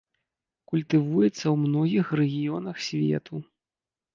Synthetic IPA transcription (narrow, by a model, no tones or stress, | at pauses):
kulʲt̪ɨvujɛt̪sːɐwmnɔɣʲixrɛɣʲijɔnɐxsʲvʲɛ̰t̪u